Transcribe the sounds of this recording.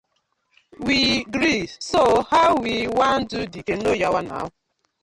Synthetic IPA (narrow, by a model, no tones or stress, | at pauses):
wiɡɾisohawiwan̩dudiken̩nojawana̰a̰ɦʊ